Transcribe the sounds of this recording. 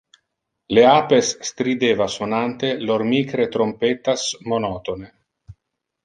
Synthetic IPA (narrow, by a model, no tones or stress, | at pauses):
leapesːt̪ɾid̪evasonant̪eloɾmikɾet̪ɾompet̪asmonɔt̪one